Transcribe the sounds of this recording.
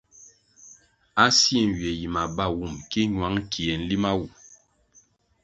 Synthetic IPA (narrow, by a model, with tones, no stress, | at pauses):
a˦sjɛ˦˨n˨ɥjɛ˨ji˨ma˨ba˦˨wu˦˨mki˦ɲwa˨˦ŋ˦kʰi˨ɛ˨n̩˦li˦ma˦wu˨